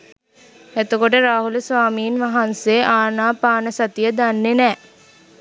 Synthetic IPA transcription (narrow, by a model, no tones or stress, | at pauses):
æt̪okoʈəɾaːɦuləsʋaːmiːnʋaɦanseʔaːnaːpaːnəsat̪ijəd̪anːenɛː